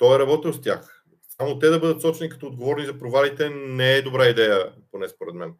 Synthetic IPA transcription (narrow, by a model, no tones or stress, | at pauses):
t̪ɔɛɾɐbɔt̪ɛnost̪ʲja̰x | samot̪ɛd̪ɐbɤd̪ət̪sɔt͡ʃɛnikɐ̥t̪ɔoːd̪̚ɡovɔɾnizɐpɾovalit̪ɛnɛɛd̪obɾaid̪ɛjəponɛspoɾɛt̪mɛn